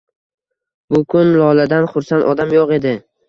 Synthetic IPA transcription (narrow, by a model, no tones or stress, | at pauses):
bʊkʰʊnlɒlad̪anχʊɾsant̪ɒd̪amjoqe̞d̪ɪ